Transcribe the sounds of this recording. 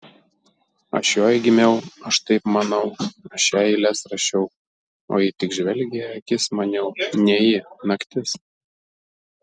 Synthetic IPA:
ɐ̰ʃjoːjɡʲɪmʲɛʊɐʃt̪ɐɪpmɐnɒʊɐʃæːjɪlʲɛsɾɐʃʲɛʊ | o̰ːjɪt̪ʲɪkʒʲʋʲɛlʲɡʲeɐkʲɪsmɐnʲɛʊnʲɛjɪnɐkʲt̪ʲɪs

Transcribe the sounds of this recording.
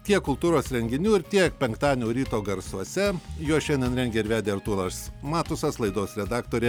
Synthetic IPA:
t̪ʲiɛkkʊlˠt̪uːɾoːsɾʲɛŋʲɡʲɪnʲuːɪɾt̪ʲiɛk̚pʲɛŋkt̪ɑːnʲoːɾʲiːt̪oːɡɐɾsuɔsʲɛjuɔʃʲɛnʲdʲɛnɾʲɛnʲɡʲeːɪɾʲʋʲæːd̪ʲeːɐɾt̪uːlˠɐssmɑːt̪ʊsɐslˠɐɪd̪oːsɾʲɛd̪ɑːkt̪oːɾʲɛ

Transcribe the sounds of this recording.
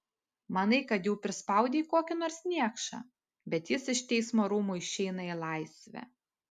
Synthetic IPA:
mɐnɐɪkɐt̪juːpʲɾʲɪspɐˑʊd̪ʲeːkoːkʲɪnoːɾsnʲiɛkʃɑ̰ | bʲɛt̪jɪsɪʃt̪ʲɛɪsmoːɾuːmuːɪʃʲɛɪnɐɪlˠɑɪsʲʋʲæ̰

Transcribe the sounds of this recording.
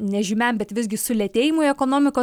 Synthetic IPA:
nʲɛʒʲɪmʲɛmbʲɛt̪ʋʲɪsʲɡʲɪsʊlʲɛt̪ʲeːjɪmʊɛkoːnoːmʲɪkoː

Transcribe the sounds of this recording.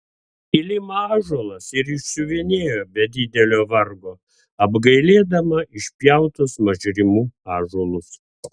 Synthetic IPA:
ilʲɪmɐɑːʒoːlˠɐsɪɾɪʃsʊʋʲinʲeːjoːbʲɛd̪ʲɪd̪ʲɛlʲoːʋɐɾɡoː | ɐbɡɐɪlʲeːd̪ɐmɐʔɪʃʲpʲjɛʊt̪ʊsmɐʒʲɾʲɪmuːɑːʒoɔlˠʊs

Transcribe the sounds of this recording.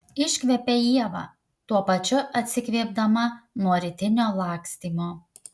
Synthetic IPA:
ɪʃʲkʲʋʲɛpʲeiɛʋɐ̰ | t̪uɔpɐt͡ʃʲʊʔɐt̪ʲsʲɪkʲʋʲiɛb̚d̪ɐmɐnoɔɾʲɪt̪ʲɪnʲoːlˠɑˑːksʲt̪ʲiːmoː

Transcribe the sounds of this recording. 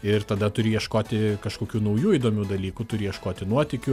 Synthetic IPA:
ɪrt̪ɐd̪ɐt̪ʊɾʲɪjɛʃkoːt̪ʲɪkɐʃkoːkʲuːnɐʊjuːiːd̪oːmʲuːd̪ɐlʲiːkut̪ʊɾʲɪjɛʃkoːt̪ʲɪnuɔt̪ʲɪkʲʊ

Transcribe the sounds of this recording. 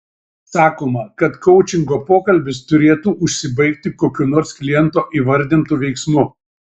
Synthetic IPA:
sɑːkoːmɐkɐt̪kɔʊt͡ʃʲɪŋɡoːpoːkɐlʲbʲɪst̪ʊɾʲeːt̪uːʔʊʃʲsʲɪbɐɪkt̪ʲɪkoːkʲunoːɾsklʲɪjɛnt̪oːʔiːʋɐɾʲd̪ʲɪnt̪uːʋʲɛɪksmʊ

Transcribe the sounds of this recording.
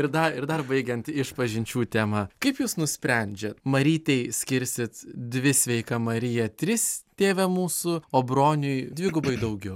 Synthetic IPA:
ɪɾd̪ɐɪɾd̪ɐrbɐɪɡʲɛnt̪ɪʃpɐʒʲɪnʲt͡ʃʲuːt̪ʲæːmɐkɐɪpjuːsnʊsʲpʲɾʲɛnʲd͡ʒʲɛt̪mɐɾʲiːt̪ʲɛɪsʲkʲɪɾʲsʲɪt̪d̪ʲʋʲɪsʲʋʲɛɪkɐmɐɾʲɪjɛt̪ʲɾʲɪst̪ʲeːʋʲɛmuːsʊoːbɾoːnʲʊjdʲʋʲɪːɡʊbɐɪd̪ɐʊɡʲɛʊ

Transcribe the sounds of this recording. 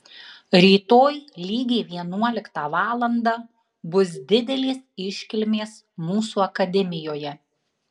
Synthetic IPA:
ɾʲiːt̪oːjlʲiːɡʲeːʋʲiɛnuɔlʲɪkt̪ɑːʋɑːlˠɐnd̪ɑː | bʊs̬d̪ʲɪd̪ʲɛlʲeːsɪʃʲkʲɪlʲmʲeːs | muːsuːɐkɐd̪ʲɛmʲɪjoːjɛ

